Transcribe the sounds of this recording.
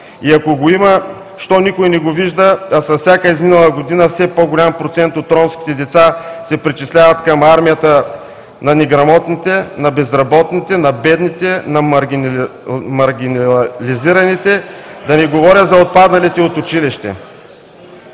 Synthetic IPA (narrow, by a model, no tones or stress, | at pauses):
iɐkoɡoimə | ʃt̪ɔnikʊinɛɡoviʒd̪əːsɐfsʲakəizminɐlˠɐɡod̪inəfsɛpoɡolʲampɾot̪sɛnt̪ot̪ːɾɔmskʲi̥t̪ɛd̪ɛt̪sasɛpɾit͡ʃislʲavɐt̪kɐmaɾmijət̪ə | nɐnɛɡɾɐmɔt̪nit̪ɛnɐbɛzɾɐbɔt̪nit̪ɛnɐbɛd̪nit̪ɛnɐɐɾi | mɐɾɡʲinɐliziɾɐnit̪ɛd̪ɐnɛɡovɔɾʲjət̪zɐot̪̚pad̪nɐlit̪ɛot̪ʊt͡ʃiliʃt̪ɛ̰